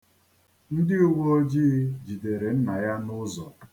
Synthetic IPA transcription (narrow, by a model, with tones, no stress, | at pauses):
n̩˦dɪ˦u˦ɡʷo˦o˦d͡ʒi˦d͡ʒi˨de˨ɾe˨n̩˦na˨ja˦nʊ˦zɔ̰˨